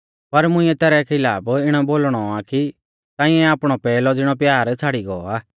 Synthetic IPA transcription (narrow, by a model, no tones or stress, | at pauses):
pɐɾmʊ̃ɪ̃ːɛ̃t̪ɛːɾɛkʰɪlaːpɪɽ̃aboːlɽ̃ɔaki | t̪ãːɪ̃ɛaːpɽ̃ɔpɛːlɔd͡zɪɽ̃ɔpjaːɾt͡sʰaːɽiɡɔɔaː